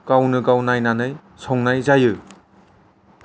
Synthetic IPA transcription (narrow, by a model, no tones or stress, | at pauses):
kawnɯɡawnajnanɯj | sʰɔŋnajzajɯ